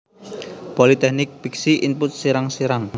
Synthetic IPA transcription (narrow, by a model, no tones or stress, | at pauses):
polit̪ɛhnɪk̚piksiʔinpʊt̪̚siɾaŋsiɾaŋ